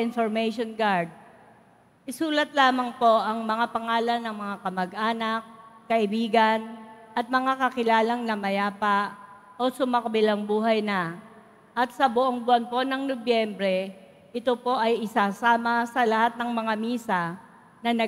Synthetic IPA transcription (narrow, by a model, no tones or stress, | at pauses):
ɪnfoɾmɛʃonɡaɹd̪̚ | ʔɪsuːlɐt̪̚laːmɐŋpo̞ʔɐŋmɐŋapɐŋaːlɐnːɐŋmɐŋakɐmɐɡʔaːnɐk̚ːɐʔɪbiːɡɐnʔɐt̪̚mɐŋakɐkɪlaːlɐŋnɐmɐjaːpaʔ | ʔosʊmakɐbɪlɐŋbuːɦɐjnɐ | ʔɐt̪̚sɐbʊʔoŋbʊanpo̞nɐŋnobjɛmbɾɛ | ʔɪt̪o̞po̞ʔɐjʔɪsaːsaːmɐsɐlɐhat̪̚nɐŋmɐŋamiːsa | nɐnɐ